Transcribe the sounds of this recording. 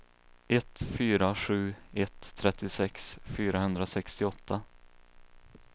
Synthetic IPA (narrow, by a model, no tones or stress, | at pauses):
ʔɛt̪fyːɾaɧʉ̟ːɛt̪ʰːɾɛt̪ːɪsɛksfyːɾahɵnd̪ɾasɛkst̪ɪɔt̪ʰːa